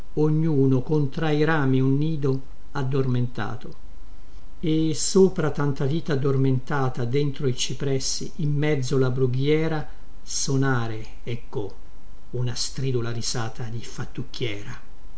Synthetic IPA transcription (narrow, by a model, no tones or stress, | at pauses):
oɲːuːnokont̪ɾaiɾaːmiunːiːd̪o | ad̪ːorment̪a̰ːt̪o | esoːpɾat̪ant̪aviːt̪aːd̪ːorment̪aːt̪ad̪ent̪ɾoit͡ʃipɾɛsːḭʔːmːɛd̪zːolabɾuɡjɛːɾa | sonaːɾe | ɛkːo | unast̪ɾiːd̪ulaɾizaːt̪ʰad̪ifat̪ːukːjɛːɾa